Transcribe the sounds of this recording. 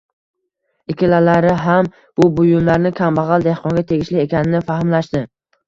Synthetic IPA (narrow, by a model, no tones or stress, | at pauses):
ɪkʲɪlalaɾɪɦam | b̥ʊbʊjʊmlaɾnɪkʲʰambɑʁɑlˠd̪e̞hqʰɒŋɡʲat̪ʰe̞ɡʲɪʃlɪekʲʰanɪnɪfahɪmlaʃd̪ɪ